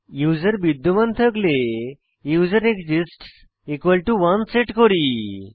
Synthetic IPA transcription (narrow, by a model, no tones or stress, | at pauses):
juzəɾbid̪ːumant̪ʰəkle | jud͡zəɾekzisʈs | ekʋəlʈuʋanseʈkɔɾi